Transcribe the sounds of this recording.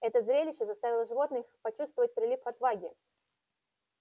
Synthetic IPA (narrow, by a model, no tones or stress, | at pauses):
ɛt̪əzɾʲelʲɪɕːəzɐst̪avʲɪlˠəʐɨvo̞t̪nɨxpɐt͡ɕust̪vəvət̚ʲpɾʲɪlʲifɐt̪vaɡʲɪ